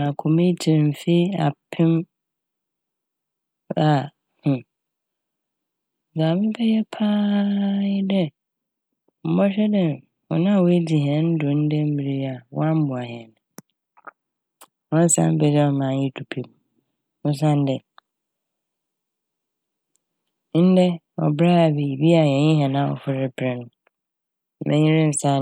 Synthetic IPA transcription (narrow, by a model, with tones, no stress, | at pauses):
ã˨kʰo˨me˦tʰi˨m̩˨fe˦a̰˨pʰɪ̃˦m | a˨ | hũ˨ | ɡa˨mɪ̃˦pʰɛ˦jɛ˦pʰaː˦ɪ˦dɛ˦ | m̩˨˦bɔ˦ɕᶣɛ˦dɛ̃˨n˨ | ɔ˨nã˦˨we˦di˨ɦɛ̃˨˦n̩˦dʊ̃˨n̩˦dɛ˦m̩˦mi˨ɾi˦a˨wã˦m̩˦bʊ̃˨a˨ɦɛ˨n˨ | wɔ̃˦n̩˦sã̰˦m̩˦bɛ˨d͡ʑɛ˦ɔ˨mã˨n˦jɪ˦tʰu˨pʰi˨m˨ | nʊ̃˦s̬ã˦n˦dɛ˨ | n̩˦dɛ˦ | ɔ̰˨bɾa˦a˨be˨i˨bi˦a˨jɛ̃˨ɲɪ̃˦ɦɛ˨nã˦˨ɔ̰˨fʊ˦ɾɪ˦pʰɛ˨nʊ̃˨ | mʔɛ̰̃˦ɲĩ˦ɾɪ̃˦m̩˨sã˦